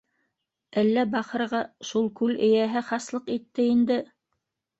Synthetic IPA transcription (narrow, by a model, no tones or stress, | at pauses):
ælːæbɑχɤ̆ɾʁɑʃulˠkʉlɘ̆jæɦɘχɑslˠɤqit̪ːɘind̪ɘ